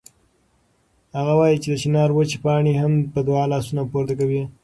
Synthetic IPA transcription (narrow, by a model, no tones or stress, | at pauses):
haɣawɑjit͡ʃed̪əʃɪnɑɾwət͡ʃipɑɳehampəd̪wɑlɑsunapoɾt̪ak̬awi